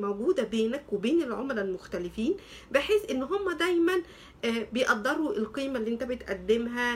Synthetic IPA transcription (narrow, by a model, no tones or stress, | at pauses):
mæwɡuːd̪æbeːnækwebeːnelʕomɾælmoxt̪ælɪfiːn | beħeːsʔenːɦomːæd̪æjmænː | bejʔɑd̪ˤːɑɾˤuʔelqiːmælːiːʔent̪æbet̪ʔæd̪ːemɦæ